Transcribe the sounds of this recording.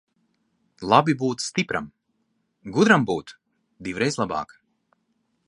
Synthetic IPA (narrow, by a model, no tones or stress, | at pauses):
lˠabibuːt̪st̪ipɾa̰m | ɡud̪ɾambuːt̪ | d̪iwɾɛjzlˠabɑ̰ːk